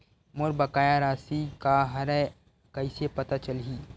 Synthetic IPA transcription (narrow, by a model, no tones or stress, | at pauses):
moɾbɐkaːjaɾaːsikaɦɐɾɛ | kɐisepɐt̪at͡ʃəlɦiː